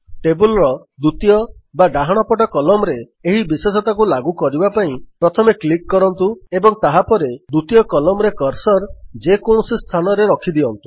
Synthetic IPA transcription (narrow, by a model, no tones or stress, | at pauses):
ʈebulɾɔ | d̪ut̪ijɔbaɖaɦaɽ̃ɔpɔʈ̬ɔkɔlɔmɔɾeː | ɦibiswes̬ɔt̪ak̬ulaɡukɔɾibapaĩpɾɔt̪ʰɔmeklikːɔɾɔnt̪uebɔŋt̪aɦapɔɾed̪ut̪ijɔkɔlɔmɔɾekɔɾsɔɾd͡ʒekoɳ̃ɔsist̪ʰanɔɾeɾɔkʰid̪iɔnt̪u̥